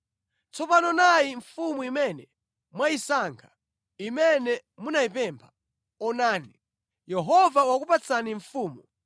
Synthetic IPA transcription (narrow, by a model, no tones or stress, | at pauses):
t͡sɔpanɔnajiɱfumuimɛnɛ | mwaisaŋkʰḁ | imɛnɛmunaipɛmpʰḁ | ɔnaːni | jɛɦɔvawakupat͡sʰaniɱfuːmu